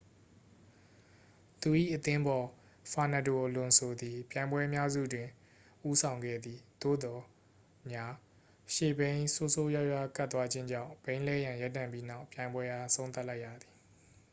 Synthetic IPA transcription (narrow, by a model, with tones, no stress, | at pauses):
t̪u˨ʔḭ˦˨ʔət̪ɪ̃˦mbɔ˨ | fʰa˨na˨do˨ʔəlʊ̃˨nsʰo˨d̪i˨pjã˨ɪ̃mbwɛ˦mja˦zṵ˦˨dwɪ̃˨ | ʔu˦sʰã˨ʊ̃ŋɡɛ̰˦˨d̪ði˨d̪̥o̰˦˨d̪ɔ˨ | mja˦ | ʃḛ˦˨bẽ˦ɪ̃so˦so˦ja˦ʊja˦˨ka˦t̪wa˦d͡ʑɪ̃˦ɲd͡ʑã̰˦˨ʊ̃b̥ẽ˦ɪ̃lɛ˦˨jã˨ja˦tːã̰˦˨mpji˦na˦ʊpjã˨ɪ̃mbwɛ˦ʔa˦˨sʰõ˦ʊ̃t̪a˦ʔla˦ɪʔja̰˦˨d̪i˨